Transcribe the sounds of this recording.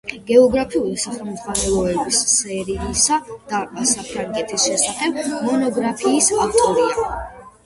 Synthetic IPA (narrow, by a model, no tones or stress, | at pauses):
ɡ̥ɛɔɡɾapʰiulisaχɛlˠmɔχwanɛlˠɔɛbissɛɾilisad̪̥aɾbasapʰɾaŋɡʼɛt̪ʰisʃɛsaχɛb̚mɔnɔɡɾapʰiːsaft̪ʼɔɾia